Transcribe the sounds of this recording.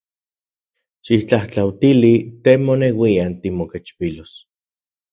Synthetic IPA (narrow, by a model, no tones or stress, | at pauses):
ʃit͡ɬaht͡ɬawt̪ilit̪emonewiant̪imoket͡ʃpilos